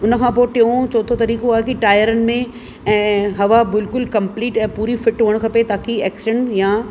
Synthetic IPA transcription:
ʊnəkʰãːpoːʈɪõt͡ɕɔːt̪ʰot̪ɐɾiːkoaːɦekiʈaːjəɾənɪ̆mẽ | ɛ̃ːɦɐʋabɪlkʊlkɐ̃mpliːʈɛ̃ːpuːɾifɪʈɦoːəɽ̃kʰɐpet̪aːkiɛːksɪʃəɳja

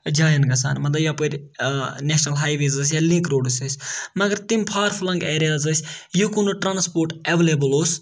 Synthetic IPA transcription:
d͡ʒaːjɐnɡɐsa̰ːnmɐt̪lɐbjapoɾʲneʃnɐlɦaːjʋeːzɐs̬ʲjalĩkɾoːɖisɐsʲmɐɡɐɾt̪imʲpʰaːɾfʰlɐŋɡeːɾijaːzɐsʲjukunuʈɾaːnspoːɾʈeʋeleːbɐloːs

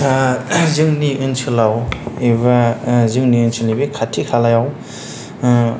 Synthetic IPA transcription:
sʰazɯŋniʔɯnsʰɯlawebazɯŋninsʰɯlibikʰatʰikʰalajaw

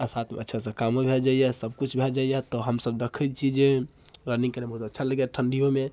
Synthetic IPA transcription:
asat̪ʰmḛətːʃʰasə̃kamobʱeld͡ʒaijɛsəb̚kut͡ʃʰbʱeld͡ʒaijɛt̪ɔɦəmsəbd̪ekʰət͡ʃʰid͡ʒe | ɾəniŋkəɾebəɦut̪ətːʃʰaləɡjɛʈʰəɳɖijome

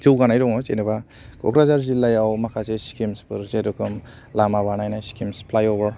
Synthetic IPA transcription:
d͡ʒɯwɡanajɾɔŋɔt͡ʃenɯba | kɔ̰kɾazaɾzilajawmakʰazeskimspʰɯɾzedɔkʰɯm | lamaβanajnajskimspʰlajobaɾ

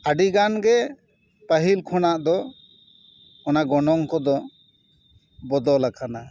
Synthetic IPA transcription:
əɖiɡanɡɛ | pəɦilkʰɔnaʔd̪ɔ | ɔnaɡɔnɔŋkɔd̪ɔ | bɔd̪ɔlakʰana

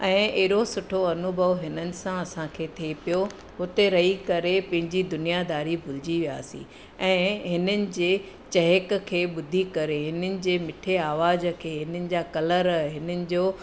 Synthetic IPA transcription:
ɛ̃ːɪɦɪɾosʊʈʰoɐnʊbʱəʋɦɪnənɪ̆sãɐsãkʰeːt̪ʰepijo | ɦʊt̪eɾɐɦikɐɾepɐ̃ɦɪ̃ɲd͡ʑid̪ʊnijad̪aːɾibʱʊlɪd͡ʑiʋija̰ːsḭ̃ | ɛ̃ːɦɪnənɪ̆d͡ʑeː | t͡ɕɐɦəkkʰeːɓʊd̪ʱikɐɾeɦɪnənɪ̆d͡ʑeːmɪʈʰeaːʋaːzkʰeːɦɪnənɪ̆d͡ʑaːkɐləɾɦɪnənɪ̆d͡ʑoː

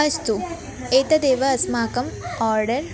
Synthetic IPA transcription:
ɐst̪u | eːt̪ɐd̪eːʋɐːsmaːkɐmɔːɾɖɐɾ

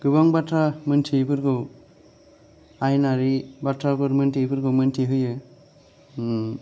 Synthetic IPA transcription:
ɡ̥ɯbaŋbatʰɾamɯntʰibʰɯɾɡɯw | ajnaɾibatʰɾabɯɾmɯntʰibʰɯɾɡɯwmɯntʰiɦɯjɯ

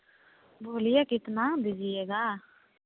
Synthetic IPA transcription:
bʱoːlɪjaːkɪt̪naːd̪ɪzɪeːɡaː

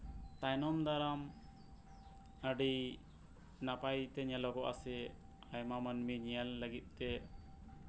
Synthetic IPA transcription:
t̪ajnɔmd̪aɾam | əɖi | napajt̪ɛɲalɔɡɔʔa̰sɛ | ajmamənmiɲijalːəɡit̪̚ˀt̪ɛ

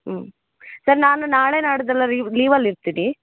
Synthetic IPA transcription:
sɐɾnaːnunaːɭeːnaːɽud̪ɐlːɐɾiliːʋɐlːiɾt̪iɽi

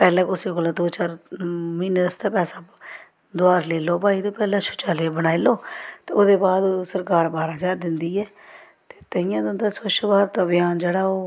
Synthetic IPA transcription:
pɛːlɛ̃ːkʊsiːkoːlaːd̪oːt͡ʃaːɾmiːnəst̪eːpɛːsaː | d̪oaːɾleːloːpaːiːt̪õːpɛːlɛ̃ːʃʰʊ̥t͡ʃaːleːbəñaːiloːt̪eːoːd̪eːbaːd̪osəɾkaːɾbaːɾaːd͡ʒaːɾd̪ɪnd̪iːɛː | t̪e̥ːt̪əɪjãːd̪ʊ̃nd̪aːsəʃbaːɾt̪oəbɪjaːnd͡ʒeːɽaːoː

